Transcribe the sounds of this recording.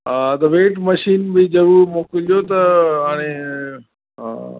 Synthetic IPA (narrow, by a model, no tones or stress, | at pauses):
ɦaːt̪ɐʋeːʈmɐʃiːnbizɐɾuːɾmoːkɪlʄijot̪ɐɦaːɽ̃e | ɦa̰ː